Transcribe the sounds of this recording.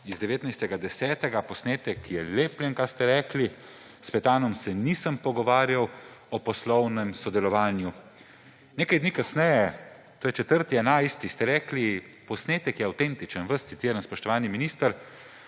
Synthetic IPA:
izd̪ɛʋeːt̪najst̪ɛɡad̪ɛsɛːt̪ɛɡapɔsneːt̪ɛkjɛleːpljɛnkaɾst̪ɛɾɛːkli | spɛt̪aːnɔmsɛnisəmpɔɡɔʋaːɾjawɔpɔslɔwnɛmsɔd̪ɛlɔʋaːnju | neːkajd̪niːkasnɛjɛ | t̪oːjɛt͡ʃɛt̪əɾt̪iɛnajst̪ist̪ɛɾɛːkli | pɔsneːt̪ɛkjɛawt̪ent̪it͡ʃənʋəst̪it̪jeːɾənspɔʃt̪ɔʋaːniminist̪əɾ

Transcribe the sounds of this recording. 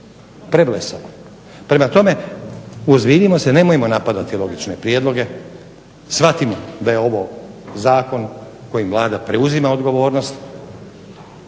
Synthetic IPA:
pɾeblesamo | pɾe̞mat̪o̞me̞ | uzbiːd̪imo̞se̞ne̞mojemo̞napad̪at̪ilˠo̞ɡit͡ʃne̞pɾijed̪lˠo̞ɡe̞ | sʋat̪imo̞d̪ajeo̞ʋo̞zaːko̞n | ko̞jimʋlˠaːd̪apɾe̞uzimao̞d̪ɡo̞ʋo̞ːɾno̞st̪

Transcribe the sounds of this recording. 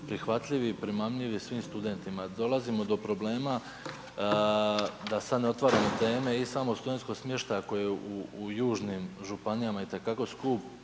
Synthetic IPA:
pɾixʋat̪ʎʲiʋipɾimamʎiʋisʋiːmst̪ud̪e̞nt̪imad̪o̞lˠazimo̞d̪o̞pɾo̞ble̞ːma | d̪asad̪neo̞t̪ʋaɾanot̪e̞ːme̞isamo̞st̪ud̪e̞nt̪ko̞ɡsmje̞ʃt̪ajako̞jeeuːjuːʒnimʒupanijamait̪e̞kako̞skuːp

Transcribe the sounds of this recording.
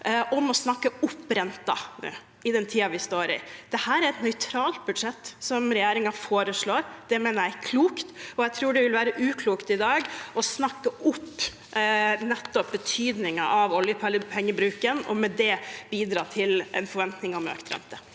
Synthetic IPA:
ʔɔmɔsnɑkːəʊpːɾɛnt̪ɑ̰nʉ̰ː | ɪd̪ɛnt̪ʰiːɑʋɪst̪oːɾɪ̰d̪̥ɛhæːɾæɾɛt̪nœʏt̪ʰɾɑːlt̪̚bʉd̪ʂɛt̪ːsɔmɾɛjeːɾɪŋɑfoːɾəʂɭoːɾd̪̥ɛmeːnəɾjæɪkʰluːkt̪ɔɛɪt̪ʰɾuːɖɛʋɪlʋæːɾəʔʉːkʰluːkt̪ɪd̪ɑːɡɔsnɑkːəʔʊpː | nɛt̪ːɔp̚bət̪ʰyːd̪nɪŋɑʔɑʋɔljəpʰɛpʰɛŋːəbɾʉːkənɔ̰mɛd̪ɛb̥iːd̪ɾɑːt̪ʰɪlʔɛ̰nfɔɾʋɛnt̪nɪŋɑmø̰ːkt̪ɾɛ̰nt̪ə

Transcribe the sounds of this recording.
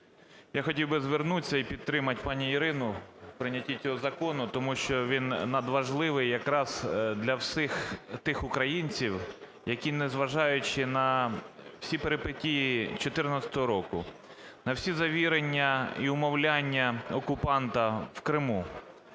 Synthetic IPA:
jaxɔtʲiwbɪzʋernut͡sʲːɐipʲid̪t̪ɾɪmɐt̚ʲpɑnʲiiɾɪnʊpɾɪnʲɐtʲːit͡sʲɔɦɔzɐkɔnʊt̪ɔmuʃt͡ʃɔʋʲinːɐd̪ʋɐʒlˠɪʋɪjjɐkɾɑz̥d̪lʲɐwsɪxt̪ɪxʊkɾɐjinʲt͡sʲiw | jɐkʲinɛzʋɐʒɑjʊt͡ʃɪnɐ | wsʲipeɾepɪtʲijit͡ʃɔt̪ɪrnɐt͡sʲɐ̥t̪ɔɦɔɾɔkʊ̰ | nɐwsʲizɐʋʲiɾenʲːɐiʊmɔwlʲanʲːɐɔkʊpɑnt̪ɐwkɾɪmu

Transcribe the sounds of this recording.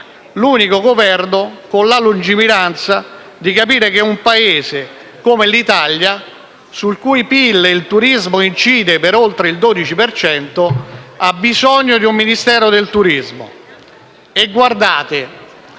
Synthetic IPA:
luːnikoɡovɛrnokonlalund͡ʒimiɾant̪sa | d̪ikapiːɾek̟eumpaeːze | komelit̪alja | sulkujpilːeilt̪uɾizmoint͡ʃiːd̪epeɾolt̪ɾeild̪oːd̪it͡ʃipert͡ʃɛnt̪oabːizɔɲːod̪iumːinist̪ɛːɾod̪elt̪uɾizmo̰ | eɡward̪aːt̪ɪ

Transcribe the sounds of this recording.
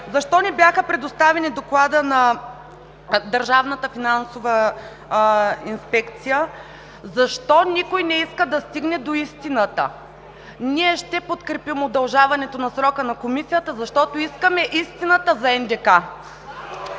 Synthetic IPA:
zɐʃt̪ɔnibjaxəpɾɛd̪ost̪avɛnid̪oklˠad̪ənɐ | d̪ɐɾʒavnɐt̪əfinansovə | inspɛkt̪sijə | zɐʃt̪ɔnikojnɛiskəd̪ɐst̪iɡnɛd̪oist̪inət̪ə̰ | niɛʃt̪ɛpot̪kɾɛpimod̪ɐlˠʒavɐnɛt̪onɐsɾɔkənɐkomisijət̪əzɐʃt̪ɔt̪oiskəmɛʔist̪inət̪əzɐɛnd̪ɛka

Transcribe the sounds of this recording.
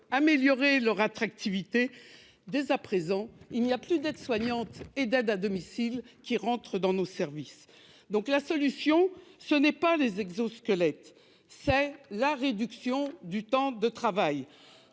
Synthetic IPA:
ameljɔʁelœʁat̪χak̚t̪ivit̪e | d̪ezapχezɑ̃ilnijaplyd̪ɛd̪swaɲɑ̃t̪ed̪ɛd̪ad̪ɔmisilkʲiʁɑ̃t̪χəd̪ɑ̃nosɛʁvis | d̪ɔ̃klasɔlysjɔ̃sənɛpalezɛɡzoskəlɛt̪ | sɛlaʁed̪yksjɔ̃d̪yt̪ɑ̃d̪ət̪χavaj

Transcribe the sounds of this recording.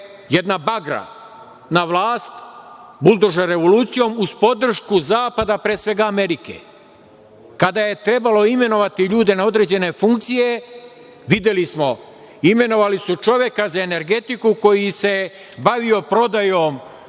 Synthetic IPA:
je̞d̪nabaɡɾa̰ | naʋlˠaːst̪bulˠd̪oʒeɾe̞ʋo̞luːt̪sijo̞muspo̞d̪r̩ʃkuzaːpad̪apɾeːsʋe̞ɡaːme̞ɾikḛ | kad̪aje̞t̪ɾe̞balo̞ime̞no̞ʋat̪iʎuːd̪e̞nao̞d̪ɾe̞ːd͡ʑe̞ne̞fuŋkt̪sije̞ | ʋid̪jelismo̞ | ime̞no̞ʋalisut͡ʃo̞ʋje̞kazae̞ne̞ɾɡe̞t̪ikuko̞jise̞ | baʋio̞pɾo̞d̪ajo̞m

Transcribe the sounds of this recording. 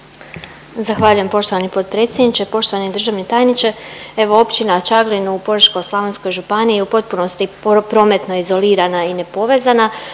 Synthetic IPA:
zaxʋaːʎuje̞mpo̞ʃt̪o̞ʋanipo̞t̪̚pɾe̞t̪sjed̪nit͡ʃepo̞ʃt̪o̞ʋanid̪r̩ʒaʋnit̪aːjnit͡ʃee̞ʋo̞o̞pt͡ʃinat͡ʃaɡlinuːpod̪ɾʃko̞slˠaʋensko̞jʒupaniupo̞t̪̚puno̞st̪ipɾo̞met̪no̞izo̞liːɾanaine̞po̞ʋe̞zana

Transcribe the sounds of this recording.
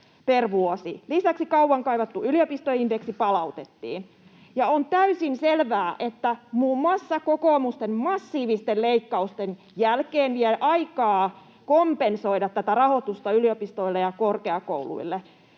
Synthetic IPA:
perʋuosilisæksikɑuwɑŋkɑiʋɑt̪ːuyliopist̪ojindeksipɑlɑut̪et̪ːḭːn | jɑont̪æysinselʋæːʔet̪ːæmuːmmɑsːɑkokoːmust̪emmɑsːiːʋist̪elleikːɑust̪en | jælkeːnʋieʔɑikɑː | kompensoiɾɑt̪tæt̪ærɑhot̪ust̪ɑyliopist̪oilːejɑkorkeɑko̰ulṵilːe

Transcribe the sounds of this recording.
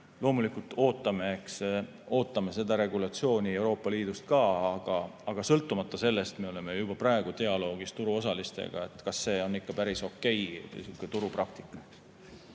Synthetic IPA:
lo̞ːmulikult̪ːˑo̞ːt̪ːˑɑme̞eks | o̞ːt̪ːˑɑme̞se̞d̪ɑɾe̞ɡulɑt̪sio̞ːnʲie̞wɾo̞ːpːˑɑliːd̪̥ust̪̚kɑːɑɡ̥ɑɑɡ̥ɑsɤlt̪ːˑumɑt̪ˑːɑse̞lːest̪me̞o̞le̞me̞jub̥ɑprɑˑeɡ̥ut̪e̞ɑlo̞ːɡ̥ist̪uɾuo̞sɑlist̪ḛɡ̥ɑ̰e̞t̪ːˑkɑsːe̞ːo̞nːikːɑpæɾiso̞kːe̞jsiukːˑet̪uɾuprɑk̚t̪i̥kˑːɑks

